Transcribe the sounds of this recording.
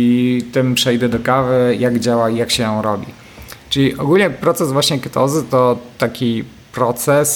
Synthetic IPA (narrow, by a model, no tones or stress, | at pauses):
it̪ɘmpʂɛjd̪ɛd̪ɔkavɘjaɡd͡ʑawaijakɕɛjɔ̃w̃ɾɔbʲḭ | t͡ʂɘlʲiʔɔɡulʲɲɛpɾɔt̪sɛzvwaɕɲɛkɛt̪ɔzɘt̪ɔt̪akʲi | pɾɔt̪sɛs